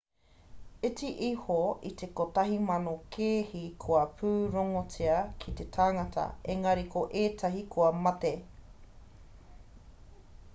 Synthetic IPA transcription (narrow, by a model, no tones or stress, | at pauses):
et͡siʔihoit̪ekotɐɦimɐnokʰeːhikʰoɐpʰʉːɾoŋot͡siɐkʰit̪etʰaːŋɐtʰɐ̰eŋɐɾikʰoʔeːtʰɐɦikʰoɐmɐt̪e